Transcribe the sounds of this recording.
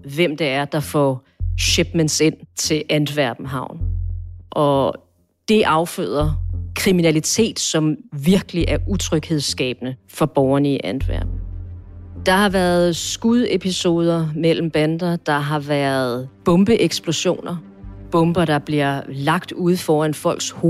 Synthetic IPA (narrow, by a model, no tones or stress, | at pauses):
ʋem̰d̥eæɐd̥ɑ̈fɒ̰ | ɕeb̥mense̝n̰t͡sʰe̝lʔænd̥ʋæɐb̥n̩ɦɑ̈ʊ̰n | ʔɒ̽ | d̥e̝ʔɑ̈ʊfø̰ːð̰ˠɐkʰʁiminælit͡sʰe̝̰ːd̥sɒ̽mʋiɐɡ̥əliʔæɐut͡sʰʁœɡ̥he̝ð̞ˠsɡ̥ɛ̰ːb̥ənəfɒ̽b̥ɒʊɐnəiʔænd̥ʋæ̰ɐ̰b̥n̩ | d̥ɑ̈hɑ̈ʋæɐð̩ˠsɡ̥uðˠe̝pʰiso̝ːð̞ˠɐmel̰m̩b̥ænd̥ɐd̥ɑ̈ɦɑ̈ʋæɐð̩ˠb̥ɔ̽mb̥əʔeɡ̥sb̥lo̝ɕo̝̰ːnɐ | b̥ɔ̽mb̥ɐd̥ɑ̈b̥liɐlɑ̈ɡ̥d̥uð̞̰ˠfɒːænfɒ̽l̰ɡ̥sho